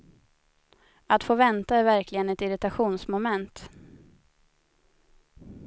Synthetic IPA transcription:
at̪foːvɛnt̪aæɾvæɾklɪɡənɛt̪ɪɾɪt̪aɧuːnsmɔmɛnt̪

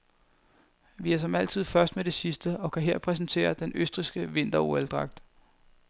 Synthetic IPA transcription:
ʋiæɐsɒ̽mæl̰t͡sʰið̞̰ˠfɶɐsd̥̚med̥e̝sisd̥əɒ̽kʰæɦe̝ɐ̰pʰʁɛs̬n̩t͡sʰe̝̰ːɐd̥enøsd̥ʁisɡ̥əʋe̝n̰d̥ɐoeld̥ʁɑ̈ɡ̥̚d̥

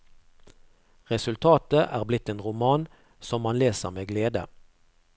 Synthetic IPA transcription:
ʁɛsʉlt̪ʰɑːt̪əʔæːʁblɪt̪eːnʁʊmɑːn | sɔmmɑnleːsəʁmeːɡleːd̪ə̰

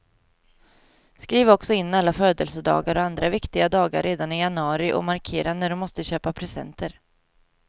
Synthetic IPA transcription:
skɾiːvɔksɔɪnːalːaføːd̪əlsəd̪ɑ̰ːɡaɾɔand̪ɾavɪkt̪ɪɡad̪ɑːɡa̰ɾːeːd̪anɪjanɵɑːɾɪʔɔ̰maɾkʰeːɾanæɖɔmːɔst̪əɕøːpapʰɾɛsɛ̰nt̪əɾ

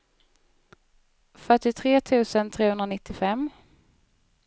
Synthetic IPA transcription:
fœʈɪt̪ʰɾeːt̪ʰʉ̟ːsənt̪ʰɾeːhɵnɾanɪt̪ːɪfɛmː

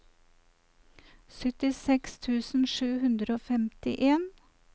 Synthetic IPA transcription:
sœt̪ɪsɛkst̪ʰʉːsn̩ʃʉːhʉnd̪ɾoːfɛmt̪ɪ̰ʔeːn

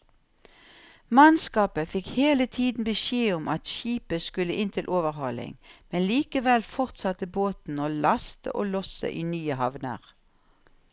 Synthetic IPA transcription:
mɑnskɑːpəfɪkheːlət̪ʰiːd̪n̩bəʃeːʊmʔɑt̪ʃiːpəskʉləʔɪnt̪ʰɪlʔoːʋəʁhɔlɪ̰ŋmɛnliːkəʋɛlfɔʁt̪sɑt̪əboːt̪n̩oːlɑst̪ə̰ʔoːlɔsə̰ʔiːnyːəhɑʋnə̰ʁ

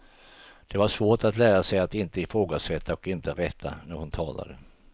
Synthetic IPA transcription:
d̪̥ɛvaʂvoːʈat̪læːɾasɛjat̪ɪnt̪əɪfɾoːɡasɛt̪ʰːaɔkɪnt̪əɾɛt̪ʰːa̰næɾhʊnt̪ʰɑːla̰d̪ə

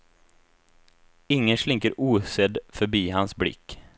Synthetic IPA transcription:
ɪŋːənʂɭɪŋkəɾʔuːsɛd̪fœɾbiːhansblɪ̰kː

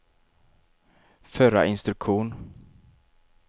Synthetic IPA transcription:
fœɾa̰ʔɪnst̪ɾɵkɧuːn

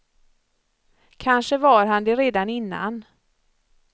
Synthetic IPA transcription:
kʰanʂəvaɾɦand̪ɛɾeːd̪anɪnːa̰n

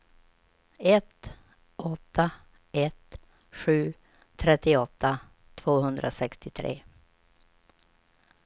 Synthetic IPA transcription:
ɛt̪ | ɔt̪ʰːa | ɛt̪ | ɧʉ̟ː | t̪ʰɾɛt̪ːɪɔt̪ːa | t̪ʰv̥oːhɵnd̪ɾʔa̰sɛkst̪ɪt̪ʰɾḛː

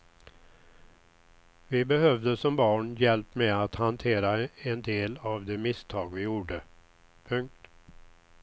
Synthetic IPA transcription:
vɪbɛhœvd̪əsɔmbɑːɳjɛlpmɛːat̪hant̪ʰeːɾaɛnd̪eːlavd̪ɛmɪst̪ʰɑːɡvɪjuːɖə | pʰɵŋk̚t̪

